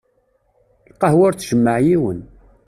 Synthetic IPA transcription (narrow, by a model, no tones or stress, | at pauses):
lqːɑhwʊɾt͡sːʒəmːəʕjiwən